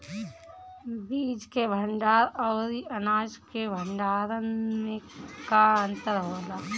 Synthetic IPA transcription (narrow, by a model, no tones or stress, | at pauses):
biːd͡ʒkebʱəɳɖaːɾɔːɾiənaːd͡ʒkebʱəɳɖaːɾənmẽkaə̃nt̪əɾɦoːlaː